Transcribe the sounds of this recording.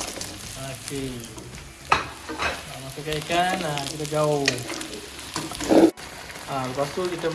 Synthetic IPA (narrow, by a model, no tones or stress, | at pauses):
oke | amasakaikanakit̪ad͡ʒau | aləpast̪ukit̪ə